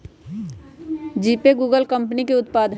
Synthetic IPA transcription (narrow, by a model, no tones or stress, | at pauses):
d͡ʒiːpeɡuːɡəlkɐ̃mpnikeʊt̪paːd̪ʱ